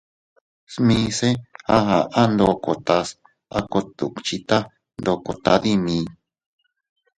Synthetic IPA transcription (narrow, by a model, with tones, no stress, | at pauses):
smĩː˧˦se˦ha˦ɦa˨ʔa˦nd̪o˧ko˨t̪a˧s | a˦ko˧t̪u˨t͡ʃi˧t̪a˦ | nd̪o˧ko˨t̪a˧ði˦mĩː˧